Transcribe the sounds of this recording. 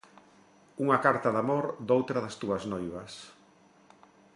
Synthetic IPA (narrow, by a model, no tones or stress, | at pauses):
uŋɐkaɾt̪ɐðamoɾd̪owt̪ɾɐðɐst̪uɐznojβɐs